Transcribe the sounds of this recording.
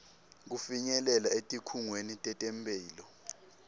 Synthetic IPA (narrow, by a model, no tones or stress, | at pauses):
k̬ufiɲɛlɛlaetʼikʰuŋwenitʼɛtʼɛmpʼɛːlɔ